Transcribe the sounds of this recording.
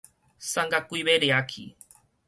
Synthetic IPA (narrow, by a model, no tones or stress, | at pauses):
saŋɡakuiβeɾeakʰḭ